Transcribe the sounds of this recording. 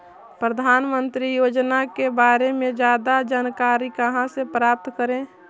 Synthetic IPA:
pɾəd̪ʱaːnmənt̪ɾijoːd͡ʒnakebaːɾemẽd͡ʒaːd̪ad͡ʒaːnkaːɾikəɦãsepɾaːp̚t̪kəɾẽ

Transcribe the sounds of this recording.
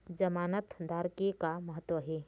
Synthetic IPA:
d͡ʒəmaːnət̪d̪ʱaɾkekaməɦət̪ːwəɦe

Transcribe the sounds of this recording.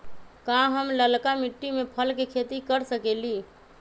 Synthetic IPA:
kãɦəmləlkamiʈːimepʰəlkekʰet̪ikəɾsəkeli

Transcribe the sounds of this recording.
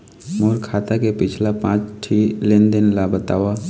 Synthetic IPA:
moːɾkʰaːt̪akepɪt͡ʃʰlapãːt͡ʃʈʰiːlẽnd̪ɪnlabət̪a̰ːʋa

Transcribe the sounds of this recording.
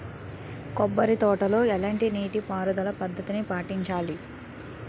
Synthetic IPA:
kɔbːɐɾit̪ɔːʈɐlo̞ːɛlɐɳʈiniːʈipaːɾud̪ɐlɐpɐd̪ʱːɐt̪inipaːʈiɲt͡ʃaːli

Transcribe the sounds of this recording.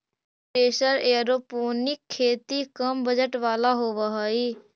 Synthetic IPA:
pɾeːʃəɾeːɾoːpoːnɪkʰːeːt̪ikəmbəd͡ʒəʈʋaːlaɦoːʋaɦaiː

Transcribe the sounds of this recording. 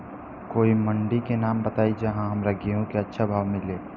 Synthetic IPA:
koːiməɳɖikenaːmbət̪aːid͡ʒɐɦãɦɐmɾɐɡeɦũkeɐtːʃʰabʱaːʋmɪleː

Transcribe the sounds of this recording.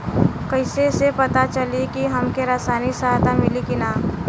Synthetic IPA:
kəɪsesepɐt̪at͡ʃəlekiɦɐmkeɾaːsaːnisaɦat̪amɪlikinaː

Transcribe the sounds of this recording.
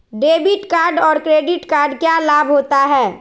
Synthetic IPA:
ɖeːbɪʈkaːɾɖɔːɾkɾeːɖɪʈkaːɾɖkjalabɦoːt̪aɦɛː

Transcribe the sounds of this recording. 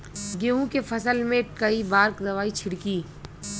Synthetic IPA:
ɡeːɦũkefʰɐsəlmẽkɐibaːɾkɾɐʋaːit͡ʃʰɪɽkiː

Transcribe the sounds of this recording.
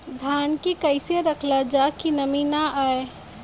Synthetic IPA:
d̪ʱaːnkikəɪseɾəkʰlad͡ʒakinɐmiːnaʔae

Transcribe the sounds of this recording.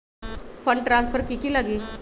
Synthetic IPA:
fəɳɖʈɾãnsfəɾkikiːlaɡiː

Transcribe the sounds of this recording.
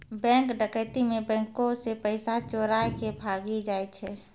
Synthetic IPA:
bɛ̃ːŋkɖəkət̪imẽbɛ̃ːŋkõsepəɪsat͡ʃoɾaːjkebʱaːɡid͡ʒaːɛt͡ʃʰɛː

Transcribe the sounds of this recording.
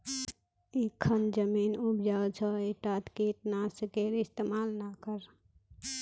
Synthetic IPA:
ikʰːənd͡ʒəminubd͡ʒat͡ʃʰəiʈat̪kiʈnasəkeɾɪst̪emaːlnakəɾ

